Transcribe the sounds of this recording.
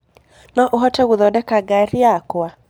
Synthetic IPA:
nɔʔoɦɔtɛɣuðɔdɛkaɡaɾiakwa

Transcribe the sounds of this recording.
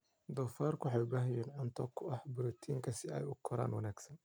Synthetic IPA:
d̪ɔːfaːrkʰʊwħɑjbaːɦɛjɛːnʕɐnt̪ʰɔːkʰːʊɐhbʊɾɔt̪ʰiːŋkʰɐsɪɛ̰jʊkʰɔɾa̰ːnwɑnaːɡsɐn

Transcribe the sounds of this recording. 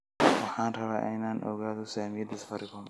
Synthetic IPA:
wɑħɑːnrɐβa̰ːʔɪnaːnʔɔ̰ɣaːðɔsaːmɪjɐd̪ɐsfɐɾɪkʊn

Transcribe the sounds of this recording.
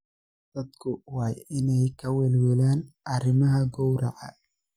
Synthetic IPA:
d̪̥ɐd̪kʰʊwɑːjɪnɛjkʰɐwɛːlwɛlaːnʔɐrɪmɐɦɐɡɔwɾɑ̰ʕɑ̰

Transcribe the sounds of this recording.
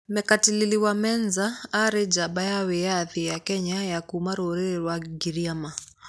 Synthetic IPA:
mɛkatililiwamɛnzaːɾɛd͡ʒaɓajawɛjaðijakɛɲajakumaɾoɾiɾɾwaɡiɾiama

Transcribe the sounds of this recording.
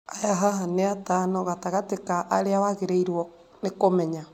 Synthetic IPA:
ajaɦaɦaneatanɔɣataɣatekaʔaɾeawaɣeɾeiɾwɔ | nekomɛɲa

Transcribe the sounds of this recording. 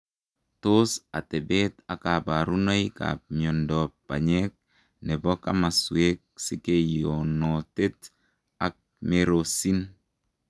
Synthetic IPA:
tosatebetakabaɾunojka̰p̚miɔndɔpːa̰ɲek̚ | nebɔka̰maswek̚sikejonɔtet | ak̚ | meɾosin

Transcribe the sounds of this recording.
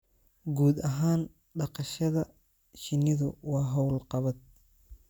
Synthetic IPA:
ɡuːd̪ɐɦaːn | ɖɑqɑʃɐðɐ | ʃɪnɪðʊ̰wɑːɦɔwlqɑβɐd̪̚

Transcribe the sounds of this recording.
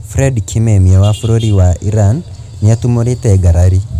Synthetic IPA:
fɾɛdkʰimɛmiawafuɾoɾiwaʔiɾanː | jatumoɾitɛɡaɾaɾi

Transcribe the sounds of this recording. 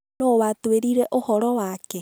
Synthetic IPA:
nowatweɾiɾeʔohɔɾɔwakɛ

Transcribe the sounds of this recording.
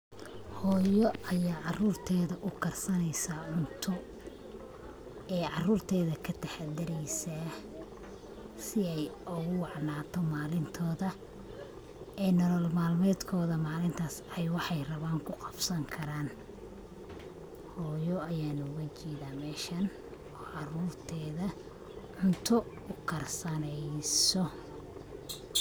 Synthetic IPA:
hɔːjɔʔɐjaːʕɑruːrt̪ʰɛːðɐʔʊkʰɐrsɐnɛjsaːʕʊnt̪ʰɔ | ɛːʕɑruːrt̪ʰɛːðɐkʰɐt̪ʰɐħad̪ɐɾɛjsaː | sɪɛjʊɣʊwɑʕnaːt̪ʰɔmaːlɪnt̪ʰɔːðɐ | ɛːnɔlɔlmaːlmɛːd̪kʰɔːðɐmaːlɪnt̪ʰaːsɛjwɑħɑjrɐβaːŋkʰʊqɑ̥bsɐŋkʰɐɾaːn | hɔːjɔɐjaːnʊɣɐt͡ʃɛːðaːmɛːʃɐn | ɔːʕɑruːrt̪ʰɛːðɐ | ʕʊnt̪ʰɔ | ʊkʰɐrsɐnɛjsɔ

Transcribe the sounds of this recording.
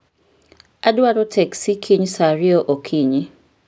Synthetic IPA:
adwaɾɔtʰɛksikʰiɲsaɾioʔokʰiɲɪ

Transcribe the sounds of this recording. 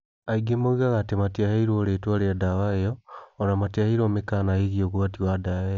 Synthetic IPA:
aiɡemoɣiɣaɣatematiaheiɾoɾeːtwaɾeadawajoːnamatiahiɾomekanaiɣioɣwatiwadaajo

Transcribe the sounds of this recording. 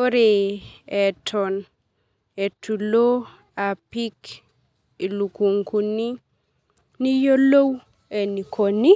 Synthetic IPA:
oɾeɛtʰɔn | etulo | apik | ilukuŋkuni | nijolow | ɛnikʰoni

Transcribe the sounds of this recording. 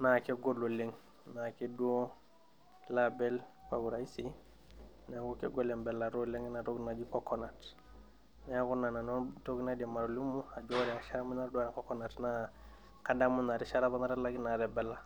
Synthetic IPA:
nakeɡololeŋ | nakeduo | labelfa̰ɡuɾaisi | nakukeɡolembelaɾoleŋnaɾoɡnad͡ʒikokonat | nekunananotoɡnadimaɾolumuad͡ʒoɾiaʃaɾamunaɾduanakokonatna | kadamunaɾiʃaɾabanaɾalaɡinaɾebelːa

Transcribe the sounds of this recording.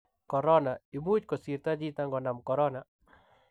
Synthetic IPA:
kɔɾɔnaimut͡ʃkɔsiɾt̪ad͡ʒit̪aŋɡɔnamkɔɾɔna

